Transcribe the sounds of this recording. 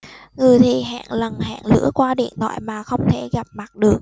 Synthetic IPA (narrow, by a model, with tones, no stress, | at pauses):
ŋɨ˨˩əjt̪ʰi˨˩ɦa̰ː˧˨ŋlə˨˩nɦa̰ː˧˨ŋlɨ̰˧˥əkwaː˧ɗḭ˧˨ənt̪ʰwa̰ː˧˨jmaː˨˩xə˧wŋ͡mt̪ʰe˧˩ɣa˨˩p̚ma˨˩t̚ɗɨ˨˩ək̚